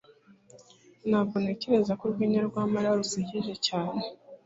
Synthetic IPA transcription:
naβoneceɾe̞zakuɾɡwiːɲaɾɡwaːmaɾaɾusiɟiʒe̞caːne

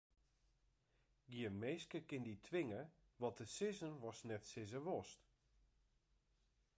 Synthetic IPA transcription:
ɡiəmeːskəkɪnditʰʋɪŋə | ʋɔtəsɪzənʋɔsnɛtsɪzəʋɔst

